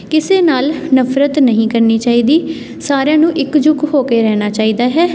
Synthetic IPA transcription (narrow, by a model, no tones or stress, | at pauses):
kɪseːnaːlnəfʰɾət̪nəɦĩːkəɾniːt͡ʃaːiːd̪iː | saːɾjãːnũːʔɪkd͡ʒʊkɦoːkeːɾɛːnaːt͡ʃaːiːd̪aːɦɛː